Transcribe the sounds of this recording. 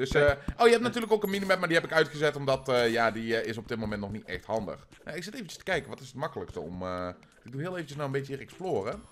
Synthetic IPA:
d̥øsʔowjəɦɛp̚natyːləkowkənminimɛp̚madiɦɛpɪkœɥtχəzɛtɔmdɑtəjaːdiɪs̬ɔb̚dɪt̚mowmɛntnɔχnitɛ̰χthɑndə̰χ | a̰ɪksɪtejvənt͡ʃə̥stə̥kɛjkəʋɑtɪsətmɑkələkstəɔ̰mə | ɪɡ̚duɦɪːlˠejvəncəsnawənbejtəiːrɛksploːrə

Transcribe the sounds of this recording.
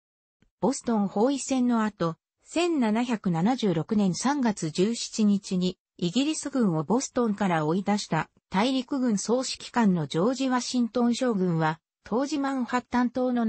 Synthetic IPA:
b̥o̞sɨ̥t̪õ̞ɰ̃ho̞ːisẽ̞nːo̞at̪o̞ | sẽ̞nːanaçʲakɯ̟nanaʑɨːɾo̞kɯ̟nẽ̞ɰ̃sãŋɡat͡sɨd͡ʑɨːɕi̥t͡ɕiɲ̟it͡ɕiɲ̟iː | ɡʲiɾʲisɨɡɯ̟̃ɰ̃o̞bo̞sɨ̥t̪õ̞ŋkaɾao̞id̪aɕi̥t̪a | t̪aiɾʲikɯ̟ɡɯ̟̃ɰ̃so̞ːɕi̥kʲi̥kãnːo̞d͡ʑo̞ːʑiβaɕĩnt̪õ̞ɰ̃ɕo̞ːɡɯ̟̃ɰ̃βa | t̪ʰo̞ːʑimãɰhat̪ːãnt̪o̞ːno̞

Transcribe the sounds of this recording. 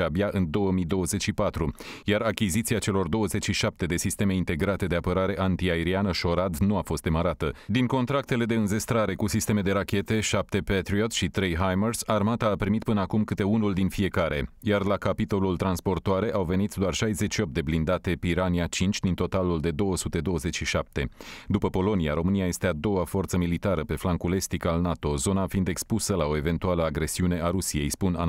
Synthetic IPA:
abjaʔɨnd̪o̞wəmid̪o̞wəze̞t͡ʃʃipat̪ɾujaɾakʲizit̪siat͡ʃe̞lo̞rd̪o̞wəze̞t͡ʃʲʃiʃap̚t̪e̞d̪e̞sist̪e̞me̞int̪e̞ɡɾat̪e̞d̪e̞apəɾaɾe̞ʔant̪iaeɾianəʃo̞ɾad̪nuafo̞st̪d̪e̞məɾat̪əd̪iŋko̞nt̪ɾak̚t̪e̞le̞d̪e̞ɨnze̞st̪ɾaɾe̞kusist̪e̞me̞d̪e̞ɾakʲe̞t̪e̞ʃap̚t̪e̞pet̪ɾiot̪sʃit̪ɾe̞jɦajmersarmat̪aːpɾimit̪̚pɨnəakumkɨt̪e̞unuld̪infie̞kaɾe̞̰jarlakapit̪o̞lult̪ɾanspo̞rt̪oaɾe̞ʔawve̞nit̪d̪oarʃajzet͡ʃʃio̞p̚t̪̚d̪e̞blind̪at̪e̞piɾaniat͡ʃint͡ʃʲd̪int̪o̞t̪aluld̪e̞d̪o̞wəsut̪e̞d̪o̞wəze̞t͡ʃʲʃiʃap̚t̪e̞d̪upəpo̞lo̞nia̰ɾo̞mɨniaje̞st̪e̞ad̪o̞wafo̞rt̪səmilit̪aɾəpe̞flaŋkule̞st̪ikalnat̪o̞zo̞nafind̪e̞kspusəlao̞e̞ve̞nt̪ualəaɡɾe̞siune̞ʔaɾusije̞jspuna

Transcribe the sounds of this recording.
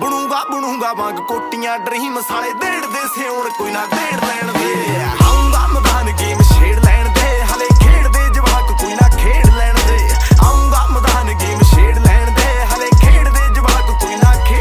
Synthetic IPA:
bəɽũːɡaːbəɽũːɡaːʋãːɡkoːʈɪjãːɖɾiːmsaːɽeːd̪eːɽd̪eːseːʊnkoːiːnaːd̪eːɽlɛːɳd̪eːaːũːɡaːməd̪aːnkeːmʃeːɽlɛːɳd̪eːɦəleːkʰeːɽd̪eːd͡ʒəʋaːkkoiːnaːkʰeːɽlɛːɳd̪eːaũːɡaːməd̪aːnkeːmʃeːɽlɛːɳd̪eːɦaleːkʰeːɽd̪eːd͡ʒəʋaːkk̪oiːnãːkʰː

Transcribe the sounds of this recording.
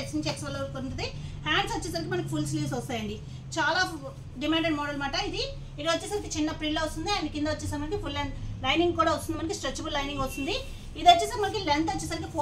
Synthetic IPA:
esiɲt͡ʃiɛksʋɐlːokonɐʈːud̪ihaːɳɖsɐt͡ʃːɛːsaːɾik̬imɐnɐki̥pʰulsliːsɐst̪aːjɐɳɖi | t͡ʃaːlaː | ɖimaːɳɖeɖmɔːɖɐlmaːʈɐid̪i | iɾoɐt͡ʃːɛːsaːɾɐkit͡ʃinːɐpɾiɳloːʋɐst̪und̪iaːjnikind̪ɐɐt͡ʃːɛːsaːmɐnɐkipʰulːɳlɐjniŋɡkuːɽaːʋɐst̪und̪imɐnɐk̬isʈɾet͡ʃːɐbullɐjniŋɡʋɐst̪und̪i | id̪ɐt͡ʃːɛːsaːɾmɐnɐkilent̪ɐt͡ʃːɛːsaːɾɐk̬ipʰo

